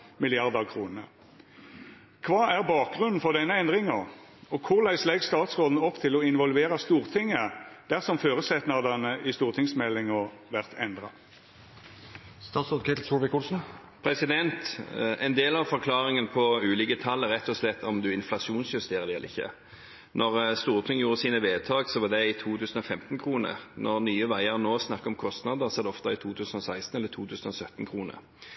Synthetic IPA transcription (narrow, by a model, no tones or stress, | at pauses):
mɪlɪɑʁd̪ɑkʰʁuːnə | kʰʋɑːæʁbɑːk̚ɡʁʉnn̩fɔʁd̪ɛnːəɛnd̪ʁɪŋɑʁ | ɔkʰʊʁlæɪslɛɡst̪ɑːt̪sʁoːd̪n̩ɔpt̪ʰɪlɔɪnʋɔlʋeːʁɑst̪uːʁt̪ʰɪŋːəd̪̥æʁsɔmføːʁəsɛt̪nɑd̪ɑnəʔɪst̪uːʁt̪ʰɪŋsmɛlːɪŋɔ | ʋæʁt̪ʰɛnd̪ʁɑ̰ | st̪ɑːt̪sɾoːd̪kʰɛt̪l̩suːlʋɪkʊlsn̩ | pʰɾɛsɪd̪ɛnt̪ɛnd̪eːlɑʋfɔʁkʰlɑːʁɪŋənpʰɔʉːlɪːkət̪ʰɑlːəɾʁɛt̪ʰːɔslɛt̪ːɔmd̪ʉɪnflɑʂuːnsjʉst̪eːʁəlɛləɪçːə̰ | nʔɔʁst̪uːʁt̪ʰɪŋjuːʁəsiːnəʋeːt̪ʰɑːɡsɔʋɑd̪ɛɪt̪ʰuːt̪ʰʉːsnɔfɛmt̪n̩kʰʁuːnə̰ʁnʔɔʁnyːəʋæɪəʁnoːsnɑkːɑɔmkʰɔst̪nɑd̪əʁsɔɑd̪ɛɔft̪ɑɪt̪ʰuːt̪ʰʉːsn̩ɔsæɪst̪n̩ɛlːəɾt̪ʰuːt̪ʰʉːsən̩ɔsœt̪ːn̩kʰʁuːnə̰ʁ